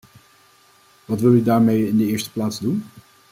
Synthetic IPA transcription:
ʋɑtʋɪlˠydaːɹmejɪndəɪːɹstə̥plaːdzdun

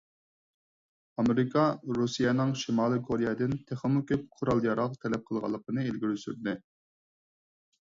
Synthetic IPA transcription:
ɑmeɾɪkʰɑɾusijɛnɨŋʃimɑːlˠɨkʰoɾijɑd̪ɪnt̪ʰæχlmukʲʰøp̚qʰʊɾɑlˠjɑɾɑʁt̪ʰɛlɛp̚qʰəlˠʁɑ̰lˠːəqənɨelɡʲiɾysy̰ɾd̪ɪ

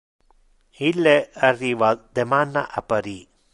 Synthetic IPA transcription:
ilːearːiːvad̪emanːa̰ʔa̰pːaɾi

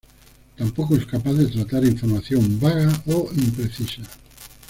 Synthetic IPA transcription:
t̪ampokoeskapaθðet̪ɾat̪aɾiɱfoɾmaθjombaɣaoimpɾeθisa

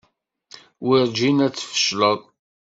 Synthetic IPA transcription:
wiɾd͡ʒinæt͡sːə̥fə̥ʃləðˤ

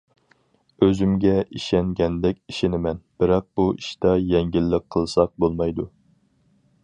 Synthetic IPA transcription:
øzymɡʲɛʔiʃɛŋɡʲɛnd̪ɛkʲiʃɪnɪmɛnb̥ɪɾɑq̚b̥uʔiʃt̪ɑjɛŋɡʲilːɪkqʰːəlˠsɑq̚bolˠmɑjd̪u

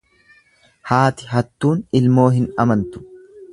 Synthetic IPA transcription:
haːt̪ɪɦɐt̪ːuːnɪlmo̞ːɦɪnɐmɐnt̪ʊ̥

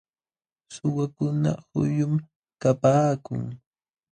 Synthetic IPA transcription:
sʊwakʊna̰hʊjʊm | kapaːkʊ̰ŋ

